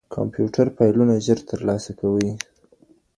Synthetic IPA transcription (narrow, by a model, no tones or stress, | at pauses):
kʰɑ̰mpjuʈaɾpajlunaʒəɾt̪əɾlɑsakawəj